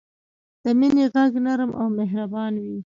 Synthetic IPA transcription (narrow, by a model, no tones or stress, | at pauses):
d̪̥əmineɣaɡnaɾəmʔa̰wmeɦɾabɑnwi